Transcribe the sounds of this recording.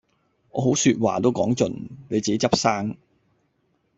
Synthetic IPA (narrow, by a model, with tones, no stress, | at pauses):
ŋɔ̰ː˨˧ɦo˨˥wsyː˧t̚wa̰ː˨˩t̪o˥wkɔ̰ː˨˥ŋt͡sɵ˨nne˨˧jt͡si˨ke˦˥t͡sɐ˥p̚saː˥ŋ